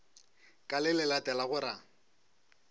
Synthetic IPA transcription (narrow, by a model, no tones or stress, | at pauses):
kʼalɪlɛlatɛlaɣʊɾa